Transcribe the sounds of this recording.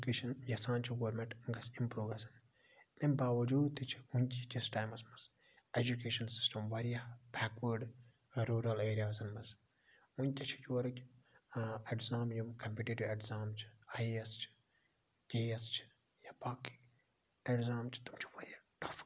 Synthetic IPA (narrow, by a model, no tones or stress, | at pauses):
keːʃɐnjɐsaːnt͡ʃʰiɡɐʋɾmẽɳʈŋɡɐsimpɾoːɡɐsɐn | lɐmbaːʋɐd͡ʒuːd̪̚t̪it͡ʃʰi̥ũnʲt̪ʲikʲisʈaːjmɐsmɐs | ed͡ʒukeːʃɐnsi̥sʈɐmʋɐɾijabɛːkʋəɾɖ | ɾuːɾɐleːɾijaːzɐnmɐs | unʲt̪ʲɐt͡ʃʰi̥juɐɾɐkʲ | eʈzaːmjɐmkɐmpiːʈeʈiʋeʈzaːmt͡ʃʰi̥ɐiɐst͡ʃʰi̥ | kʲeːjɐst͡ʃʰi̥ | jabaːki̥ | eʈzaːmt͡ʃʰi̥t̪umt͡ʃʰi̥ʋɐɾʲijaʈɐf